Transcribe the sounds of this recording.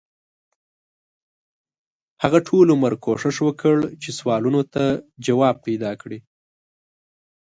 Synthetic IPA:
haɣaʈʰoloməɾkʰoʂɪʂwəkʰəɽt͡ʃeswɑlunot̪ad͡ʒawɑb̚ped̪ɑkɽi

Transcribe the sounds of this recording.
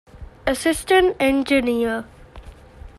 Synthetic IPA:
əsɪsʈə̃nʈɛ̃nd͡ʒiniə

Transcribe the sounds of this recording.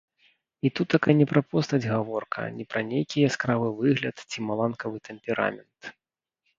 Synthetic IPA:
it̪ut̪ːakajnʲɛpɾɐpɔst̪ɐd͡zʲɣavɔrkʰɐ̰nʲipɾɐnʲejkʲijɐskɾavɨvɨɣlʲɐt̪t͡sʲimalˠankɐvɨt̪ɛmʲpʲɛɾa̰mʲɛnt̪

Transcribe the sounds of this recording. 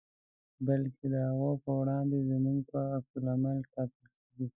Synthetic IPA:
balkʰed̪əhaɣopəwɽɑnd̪ezəmuŋɡpaːksʊlamaltɑkɪlkeɡi

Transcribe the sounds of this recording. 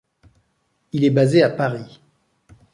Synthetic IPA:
ilɛbazeapaʁi

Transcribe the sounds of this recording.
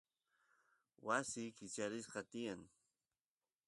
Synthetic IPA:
wasɪkɪt͡ʃaɾɪsqɑt̪ɪjaŋ

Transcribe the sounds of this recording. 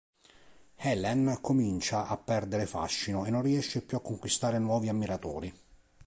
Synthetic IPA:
hɛlɛnkomint͡ʃaʔapːɛrd̪eɾefa̰ʃːinoenːonriɛʃːepjuakːoŋkwist̪aːɾenwɔːviamːiɾat̪ɔ̰ːɾi

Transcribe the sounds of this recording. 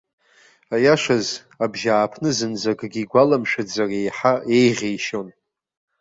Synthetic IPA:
ajaʂaz | abʒaːpʰnɨzɨnd͡zaɡɡʲiɡʷalamʃᶣad͡zarejħae̞jʁʲejʃo̞n

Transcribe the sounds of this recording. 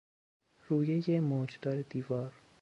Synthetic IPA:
ɾuːjejemoːd͡ʒd̪ɒːɾed̪iːvɒːɾ

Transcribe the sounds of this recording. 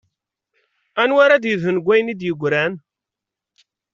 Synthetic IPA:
ænwaɾad̪jəðənɡʷːæjnid̪jəɡʷːɾæn

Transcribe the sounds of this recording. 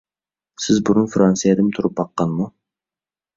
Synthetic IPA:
sɪzbuɾʊnfɾɑnsijɛd̪ɪmt̪ʰʊɾup̚bɑqːɑnmu

